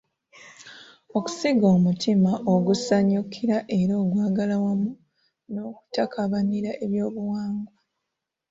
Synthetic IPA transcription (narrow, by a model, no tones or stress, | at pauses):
o̞ku̥siɡo̞ːmutʰimaʔoɡusaɲukʰiɾaʔe̞ɾoːɡwaːɡalawamu | no̞ku̥takaβaniɾaʔe̞βjo̞ːβuwaːŋɡwa